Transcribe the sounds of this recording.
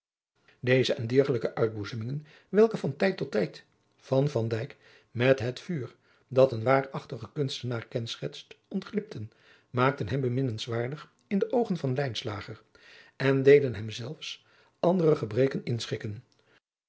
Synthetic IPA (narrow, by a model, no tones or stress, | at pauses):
dejzəʔɛndɪɹχələkəʔœɥd̚buzəmɪŋən | ʋɛlˠkəvɑntɛjtɔtɛjt | fɑnvɑndɛjk | mɛtɦətfyːr | dɑtənʋaːrɑχtəχəkɵnstənaːrkɛnsχɛtstɔntχlɪp̚tʰən | maːk̚tənɦɛmbəmɪnənsʋaːɹdəχ | ɪndəʔowχənvɑnlɛjnsla̰ːχər | ɛndejdənɦɛmzɛlˠfs | ʔɑndərəχəbrejkənɪnsχɪkən